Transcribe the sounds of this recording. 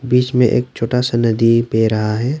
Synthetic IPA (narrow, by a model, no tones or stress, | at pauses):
biːt͡ʃmẽʔḛːk̚t͡ʃʰoːʈasanəd̪ipeːɾɐɦaɦɛː